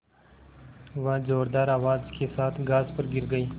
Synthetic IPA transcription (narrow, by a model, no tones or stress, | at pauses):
ʋãzoːɾd̪aːɾaːʋaːzkeːsaːt̪ʰɡaːzpɐɾɡɪɾɡəiː